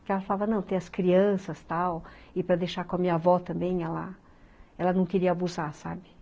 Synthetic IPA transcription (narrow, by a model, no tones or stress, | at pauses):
kɛlɐfalavɐnɐ̃w̃t̪ẽj̃ɐskɾiɐ̃sɐst̪awɪpɾɐd̪ejʃaɾkõɐmĩɲɐavɔt̪ɐ̃mbẽj̃ɛlɐ | ɛlɐnɐ̃w̃kɪɾiɐabuzasa̰bɪ